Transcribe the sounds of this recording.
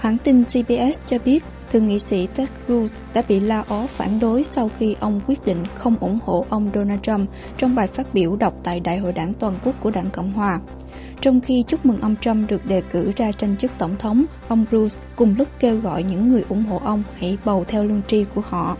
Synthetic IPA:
hwaː˧˩nt̪i˧nsi˧ɓi˧ʔɛ˦˥st͡ɕɔ˧ɓi˦˥ət̚t̪ʰɨ˨˩əŋḭ˧˨sḭ˧˥t̪ɛ˦˥k̚zu˧sɗa̰ː˧˥ɓḭ˧˨laː˧ʔɔ˨˦faː˧˩nɗo˨˦jsa˧wxi˧ʔə˧wŋ͡mkwi˦˥ət̚ɗḭ˧˨ŋ̟xə˧wŋ͡mʔʊ̰˧˩ŋ͡mho̰˧˨ʔə˧wŋ͡mɗo˧naː˧t͡ɕa˧m | t͡ɕɔ˧wŋ͡mɓaː˨˩jfaː˦˥t̚ɓi˧˩əwɗə˨˩wk͡p̚t̪a̰ː˧˨jɗa̰ː˧˨jɦo̰˧˨jɗaː˧˩ŋt̪waː˨˩nku˦˥k̚ku˧˩əɗaː˧˩ŋkə̰˧˨wŋ͡mɦwaː˨˩ | t͡ɕɔ˧wŋ͡mxi˧t͡ɕʊ˦˥k͡p̚mi˨˩ŋʔə˧wŋ͡mt͡ɕa˧mɗɨ˨˩ək̚ɗe˨˩kɨ˧˩zaː˧t͡ɕa˧jŋ̟t͡ɕɨ˦˥t̪ə˧˩wŋ͡mt̪ʰə˨˦wŋ͡m | ʔə˧wŋ͡mzu˧s | kʊ˨˩ŋ͡mlʊ˦˥k͡p̚ke˧wɣɔ̰˧˨jɲɨ̰˧˥ŋːɨ˨˩əjʔʊ̰˧˩˥ŋ͡mɦo̰˧˨ʔə˧wŋ͡mha̰˧˩jɓə˨˩wt̪ʰɛ˧wlɨ˧əŋt͡ɕi˧ku˧˩əhɔ̰˧˨

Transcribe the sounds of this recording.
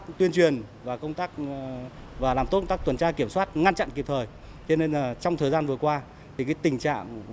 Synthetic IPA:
t̪wi˧ənt͡ɕwi˨˩ən | vaː˨˩kə˧wŋ͡mt̪aː˦˥k̚ | vaː˨˩laː˨˩mt̪o˦˥t̪aː˦˥kt̪wə˨˩nt͡ɕaː˧ki˧˩əmswaː˦˥t̚ŋa˧nt͡ɕa̰˧˨nki˨˩p̚t̪ʰəː˨˩j | t͡ɕɔ˧ne˧naː˨˩t͡ɕɔ˧wŋ͡mt̪ʰəː˨˩jzaː˧nvɨ˨˩əkwaː˧ | t̪ʰi˨˩kaː˨˦jt̪ï˨˩ŋ̟t͡ɕa̰ː˧˨ŋ

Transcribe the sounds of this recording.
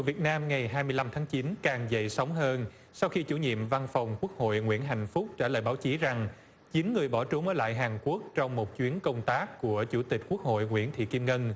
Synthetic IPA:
vi˨˩ət̚naː˧mŋa˨˩jɦaː˧jmɨ˧əla˧mt̪ʰaː˨˦ŋt͡ɕi˨˦nkaː˨˩ŋzə̰˧˨jsa˨˦wŋ͡mɦəː˧n | sa˧wxi˧t͡ɕu˧˩ɲḭ˧˨əmva˧nfa˨˩wŋ͡mku˦˥ək̚ho̰˧˨jŋwḭ˧˩ənɦa̰˧˨jŋ̟fʊ˦˥k͡p̚t͡ɕaː˧˩lə̰ː˧˨jɓaː˨˦wt͡ɕi˨˦za˨˩ŋ | t͡ɕi˨˦nŋɨ˨˩əjɓɔ˧˩t͡ɕu˨˦ŋ͡mməː˨˦la̰ː˧˨jɦaː˨˩nku˦˥ək̚t͡ɕɔ˧wŋ͡mmo˨˩t̚t͡ɕwi˨˦ənkə˧wŋ͡mt̪aː˦˥kːu˧˩ət͡ɕu˧˩t̪ï˨˩k̟̚ku˦˥ək̚ho̰˧˨jŋwḭ˧˩ənt̪ʰḭ˧˨ki˧mŋə˧n

